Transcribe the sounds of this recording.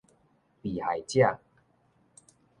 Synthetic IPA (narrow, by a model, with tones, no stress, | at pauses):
pi˨˩ha˨˩jt͡ɕja˥˧˨